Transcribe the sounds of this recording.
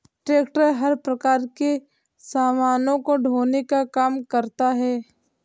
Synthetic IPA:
ʈɾeːkʈəɾɦɐɾpɾɐkaːɾke | saːmaːnõkoɖʱoːnekakaːmkəɾt̪aɦɛː

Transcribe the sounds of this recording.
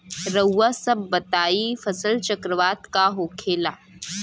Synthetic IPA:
ɾəwːasɐbːɐt̪aːifɐsəlt͡ʃɐkɾəʋaːt̪kaɦoːkʰeːlaː

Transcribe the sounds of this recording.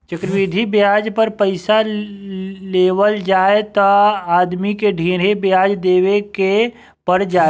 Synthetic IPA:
t͡ʃəkɾʋid̪ʱibjaːd͡ʒpəɾpəɪsa | leːwəld͡ʒaːet̪ɔaːd̪mikeɖʱiːɾebjaːd͡ʒd̪eːweke | pəɾd͡ʒaː

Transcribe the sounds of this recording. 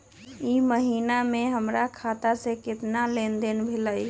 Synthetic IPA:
iməɦinameɦəmɾakʰat̪asekɪt̪nalend̪enbʱeləj

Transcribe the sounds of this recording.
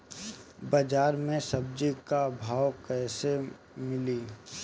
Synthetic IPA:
bəd͡ʒaːɾmẽsəb̚d͡ʒikabʱaːwkɛːse | mɪli

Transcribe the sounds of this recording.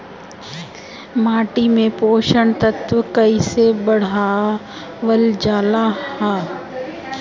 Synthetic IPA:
maːʈimẽpoːʃəɳt̪ɐt̪ʋəkɐisebɐɽ̤a | ʋəld͡ʒaːlahhɛː

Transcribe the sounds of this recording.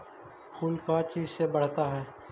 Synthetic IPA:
xʊlkat͡ʃiːzsebɐɽ̤t̪aɦɛː

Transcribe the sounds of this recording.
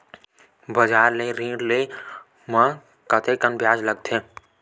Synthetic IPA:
bəd͡ʒaːɾleɾĩːɖle | mə̃ | kət̪ʰekənbʱjaːd͡ʒləɡ̚t̪ʰeː

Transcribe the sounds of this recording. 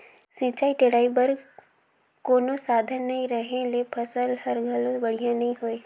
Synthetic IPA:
sĩːt͡ʃaːiʈeɽaːibɐɾ | koːnosaːd̪ʱənːɐɦĩɾɐɦẽlepʰɐsəlhɐɾɡʱɐlbɐɽ̤ijãnɐɦĩɦoːeː

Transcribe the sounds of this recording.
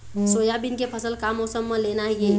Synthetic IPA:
sojabinkepʰəsəlkamɔsəmːəlenaɦije

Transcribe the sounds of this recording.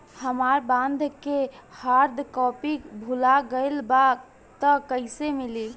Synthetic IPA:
həmaɾbãnd̪ʱkehaɾd̪ʱkɔpibʱulaɡəɪlba | t̪əkəɪsemili

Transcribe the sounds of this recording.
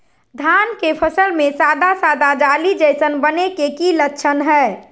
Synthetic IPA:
d̪ʱankepʰəsəlmesad̪asad̪ad͡ʒalid͡ʒəɪsənbənekekilətːt͡ʃʰənɦɛː

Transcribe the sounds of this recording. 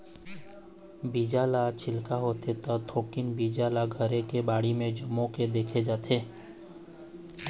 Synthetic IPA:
biːd͡ʒaːlat͡ʃʰɪlkaɦoːt̪et̪ət̪ʰoːkɪnbiːd͡ʒalaɡʱəɾekebaːɽimẽd͡ʒɐmõked̪eːkʰed͡ʒaːt̪ʰeː

